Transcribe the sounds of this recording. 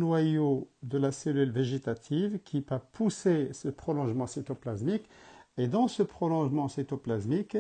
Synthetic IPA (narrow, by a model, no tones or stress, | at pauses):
nwajod̪əlaselylveʒet̪at̪ʰivkʰipapʰusesəpχɔlɔ̃ʒmɑ̃set̪oplazmiked̪ɑ̃səpχɔlɔ̃ʒmɑ̃set̪oplazmik